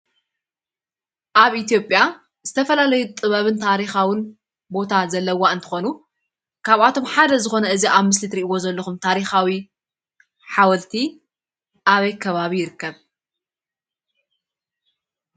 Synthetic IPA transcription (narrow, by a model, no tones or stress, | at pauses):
ʔaβʔit̪ʰjo̞pʼːja | zɨt̪ʰɐfɐlalɐjut̪ʼɨβɐβɨnt̪ʰaɾixawɨn | bo̞t̪ʰazɐlːɐwaɨnt̪ʰɨ̥xo̞nu | kʰaβat̪ʰo̞mħad̪ɐzɨxo̞nɐʔɨziʔaβmɨslit̪ɾiʔiwo̞zɐlːɐxumt̪ʰaɾixawi | ħawɐlt̪ʰi | ʔaβɐjkʰɐβaβijɪɾɨkːɐβ